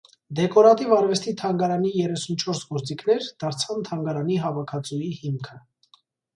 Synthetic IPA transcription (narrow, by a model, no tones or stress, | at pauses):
d̪ɛkɔɾɑt̪ivɑɾvɛst̪it̪ʰɑŋɡɑɾɑnijɛrɛsunt͡ʃʰɔɾsɡɔɾt͡sikʰnɛɾd̪̥ɑɾt͡sʰɑnt̪ʰɑŋɡɑɾɑniɦɑvɑkʰɑt͡sujihimkʰə